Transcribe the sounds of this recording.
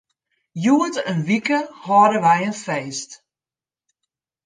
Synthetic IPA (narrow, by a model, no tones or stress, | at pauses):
juətənʋikəhɔɾəʋɛjənfeːst